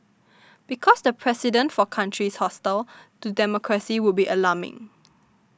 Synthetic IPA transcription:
b̥ikʰɔsdəpʰɹɛsidə̃ntfɔkʰãntʰɹishɔstaltudɛmɔkʰɹəsiwʊd̚biʔəlamɪ̰̃ŋ

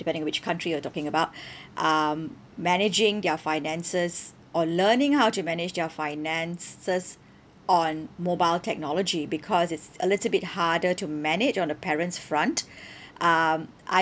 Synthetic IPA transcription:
d̥ipɛ̃ndɪ̃ŋɔ̃wɪt͡ʃkʰãntɹijətɔkɪ̃ŋəbaʊt̚ʔʌm | mɛnɪd͡ʒɪ̃ŋdɛfaɪnɛ̃nsəs | ʔɔlənɪ̃ŋhaʊtumɛnɪd͡ʒdɛfaɪnɛ̃nsəs | ɔ̃nmobaɪltʰɛk̚nɔlɔd͡ʒibikʰɔsɪtsə̰lɪtəl̩ˠbɪt̚hadətumɛnɪd͡ʒɔ̃ndəpʰɛɹə̃ntsfɹãntʔʌm | ʔa̰

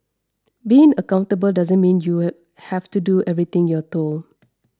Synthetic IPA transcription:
biɪ̃ŋəkãʊ̃ntəbəldazə̃nmĩnju | hɛftuduʔɛvɹit̪ɪ̃ŋjɔt̪ol

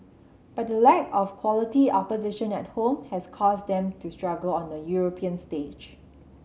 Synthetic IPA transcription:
b̥at̚dəlɛkɔfkʰwɔlətiɔpəzɪʃə̃nɛt̚hõmhɛskʰɔsdɛ̃mtustɹaɡəlɔ̃ndəjuɹopʰiə̃nsted͡ʒ

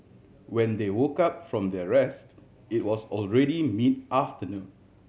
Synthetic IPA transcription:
wɛ̃ndewokap̚fɹɔ̃mdɛɹɛst | it̚wɔsɔlɹɛɾimidʔaftənũn

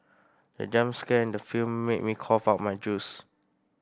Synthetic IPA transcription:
də̰d͡ʒãmskɛɛ̃ndəfilmːet̚mikʰɔfaʊt̚majd͡ʒus

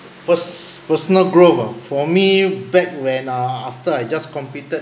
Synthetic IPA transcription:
pəspəsɔnəlɡɹovafɔmibɛk̚wɛ̃naaftəajd͡ʒaskɔ̃mpitət̚

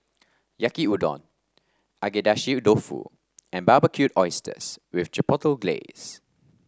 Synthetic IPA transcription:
jakiudɔ̰̃n | ʔaɡedaʃidofṵ | ɛ̃nbabakʰjutɔɪstə̰swiɪftɹipɔtəlɡlḛs

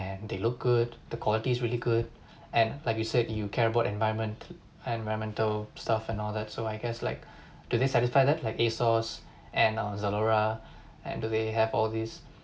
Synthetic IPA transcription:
ɛ̃nd̪elʊk̚ɡ̥ud̚d̪əkʰwɔlitiːsɹiliɡud̚ | ɛ̃nlaɪkjusɛdjukʰɛɹəbaʊtɛ̃nvaɪə̃nmə̃nt | ɛ̃nvaɪɹə̃nmɛ̃ntəlstafɛ̃nɔld̪ɛtsoaɪɡɛsla̰ɪk̚ | d̥ud̪esɛtisfaɪdɛt̚laɪkesɔs | ʔɛ̃nʌ̃zəloɹa | ɛ̰̃ndudeɦɛvɔldis

